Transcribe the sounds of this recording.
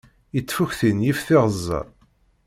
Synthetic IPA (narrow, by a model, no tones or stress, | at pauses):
jət͡sːfuçθinjifθɪʁəzˤːɑ̰